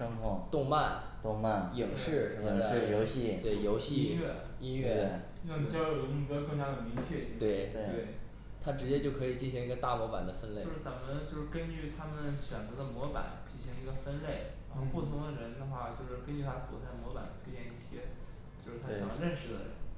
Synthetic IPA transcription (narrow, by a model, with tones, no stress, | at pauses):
ʂɤ˥ŋkʰʊ˥˩t̪ʊ˥˧ŋma˥˩nt̪ʊ˥˧ŋma˥˩ni˨˩ŋʂɻ̩˥˩˥ŋ˥˧ɻ̩˥˩jo˧˥ʊɕi˥˩t̪we˥˩ɪjo˧˥ʊɕi˥˧˥ɛ˥˩ | i˥nɥɛ˥˩˥ | e˥˧˩n˨˩t͡ɕjɑ˥jo˨˩i˧˥ɡə˧kɤ˥˩ŋt͡ɕja˥d̪ə˨˩mi˧˥ŋt͡ɕʰɥɛ˥˩t͡ɕi˧˥t̪we˥˩ɪe˥˧˩e˥˩ɪ | t̪ʰa˥ʈ͡ʂɻ̩˧˥t͡ɕjɛ˥t͡ɕjo˥˩ʊkʰɤ˧˥i˨˩t͡ɕi˥˩ɕi˧˥ŋi˧˥ɡə˧t̪a˥˩mwɔ˧˥pa̰˨˩nd̪ə˦fə˥nle˥˩˥ʂɻ̩˥˩t͡sa˧˥mə˧nt͡ɕjo˥˧ʂɻ̩˥˩kə˥nt͡ɕy˥˩t̪ʰa˥mə˨nɕɥɛ˨˩nt͡sɤ˧˥d̪ə˧mwɔ˧˥pa̰˨˩˦nt͡ɕi˥˩nɕi˧˥ŋi˧˥ɡə˧fə˥nle˥˩ɪ˧˩ʊ˥pu˥˩t̪ʰʊ˧˥ŋd̪ə˨˧ɻə˧˥nd̪ə˧xwa˥˩t͡ɕjo˥˧ʊʂɻ̩˥˩kə˥nt͡ɕy˥˧t̪ʰa˥swɔ̰˨˩t͡sa˥˩ɪə˨mwɔ˧˥pa̰˨˩nə˧t̪ʰwe˥t͡ɕjɛ˥˧ni˥˩ɕjɛ˥ | t͡ɕjo˥˧ʊʂɻ̩˥˩t̪ʰa˥ɕŋjɑ˥˧ɻə˥˩nʂɻ̩˥˩d̪ə̰˩ɻə̰˧˥n